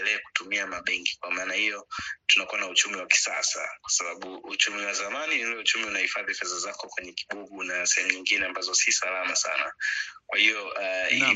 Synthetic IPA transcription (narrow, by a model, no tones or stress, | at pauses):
ɛlɛaku̥tumiamaɓɛŋɡi̥kwamaːnahijɔtunakuwanaut͡ʃumiwaki̥sasa̰kwḁsaɓaɓuṵt͡ʃumiwazamaniɔut͡ʃumiunahifaðifɛzazakɔkwɛɲɛki̥ɓuɡunasɛhɛmuɲiŋɡinɛambazɔsisalamasa̰na̰kwahiɔʔai